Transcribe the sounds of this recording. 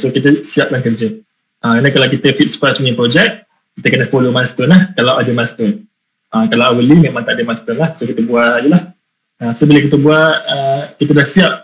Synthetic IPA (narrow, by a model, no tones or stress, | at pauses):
sokit̪əsiap̚kaŋkərd͡ʒə | ʔaanəkalawkit̪əfit̪̚spasmiipɾod͡ʒɛk̚ | kit̪əkənəfolomanst̪ɔnlahkalawʔadəmanst̪ɔn | əkalaawəlimẽmãŋt̪aʔdəmanst̪ɔnlahsokit̪əbuaʔjəlah | əsobiləkit̪əbuaʔəkit̪ədahsiap̚